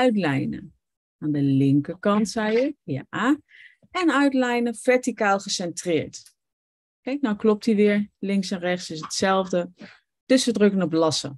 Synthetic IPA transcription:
œɥtlɛjnə̰ | aːndəlɪŋkəkɑntsɛjəja | ɛnœɥtlɛjnəfɛɹtikaːlˠχəsɛntrɪːɹt | kɛjk̚nawklɔp̚thiʋɪːɹlɪŋksɛnrɛχtsɪsətsɛlˠvdə | d̥ɵsʋədrɵkənɔplɑsə̰

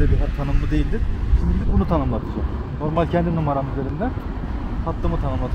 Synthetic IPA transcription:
lʲɛbiɦt̪ʰanɯmlɯd̪e̞jilʲd̪iɾ̥ʃimiilʲibunut̪ʰanɯmlˠat̪ʰɯd͡ʒo̰ | no̞ɾmalʲcʰɛnd̪inumaɾanɯɟøɾʲynd̪æ | hat̪lˠɯmɯt̪ʰanɯmlˠat̪ʰɯ

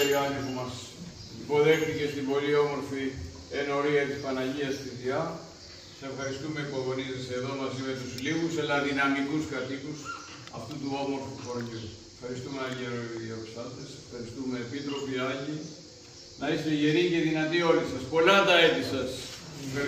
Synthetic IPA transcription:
ɐnixumɐs | ipo̞ðe̞xθice̞st̪imbo̞lio̞mo̞ɾfi | eno̞ɾiɐt̪ispɐnɐʝiɐst̪iðiɐ | sɐsefxɐɾist̪ume̞ipo̞ɣonizeseðo̞mɐzimet̪uzliɣuselɐðinɐmikuskɐt̪ikus | ɐ̰ft̪ut̪uo̞mo̞ɾfufoɾʝu | efxɐɾist̪umeɐʎieɾoiðiɐpost̪ɐt̪esfxɐɾist̪ume̞ːpit̪ɾo̞piɐʎi | nɐist̪eʝeɾice̞ðinɐt̪io̞lisɐspo̞lɐt̪ɐe̞t̪isɐsefɐ

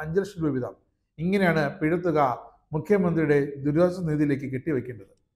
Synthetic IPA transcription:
ɐɲd͡ʑɐlʂɐnʋiʋid̪ʱɐ̰m | iŋːɐnejaːɳɨpiɻɐt̪ːuɣɐ | mukʰjɐmɐnd̪rijuɽe̞d̪uɾʋaːd͡ʑɐniːðijile̞ːkːɨk̬eʈːiʋɐkʲːeːɳɖɐðɨ

